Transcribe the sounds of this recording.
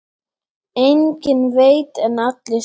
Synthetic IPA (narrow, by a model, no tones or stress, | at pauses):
ejɲcɪnveːjt̪ɛnat̪lɪ